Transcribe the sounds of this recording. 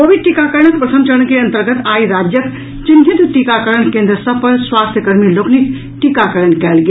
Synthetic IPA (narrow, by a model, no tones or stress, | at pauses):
koːʋid̪̚ʈikakəɾəɳ̃ək̚pɾət̪ʰəmt͡ʃəɽ̃keɐ̃nt̪əɾɡət̪aːiɾaːd͡ʒjək | t͡ʃinɦit̪ʈikakəɾəɳ̃kẽːnd̪ɾəsəpəɾswaːst̪ʰjəkəɾmiloːkʰnik | ʈikakəɾəɳkɛːlɡeː